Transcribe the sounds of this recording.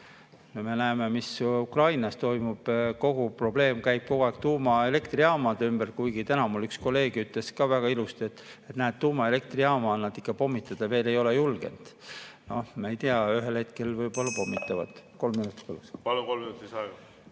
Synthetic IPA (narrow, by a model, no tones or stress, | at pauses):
nome̞næeme̞misukrɑjnɑst̪o̞jmub̥ko̞ɡ̥upro̞b̥le̞ːmkæjb̥̚ko̞ɡ̥uɑɡ̥t̪uːmɑe̞le̞kt̪riɑːmɑd̪̥eymbærkujɡ̥it̪ænɑmulːyksko̞lːe̞ːɡ̥yt̪ˑle̞skɑvæɡ̥ɑilust̪ie̞t̪ːˑet̪næːt̪̚t̪ːuːmɑe̞le̞k̚t̪riɑːmɑːlnɑd̪ikˑːɑpo̞mːit̪ːˑɑd̪̥ɑve̞ːle̞jo̞le̞julɡ̥e̞̰nd̪̥no̞hmeejt̪iɑyɦe̞lhe̞t̪ke̞lvɤjbolːɑpo̞mːit̪ːˑɑvɑ̰d̪̥ko̞lmːinut̪ːˑi̥polːuspɑlukolminut̪isɑɡ̥ɑ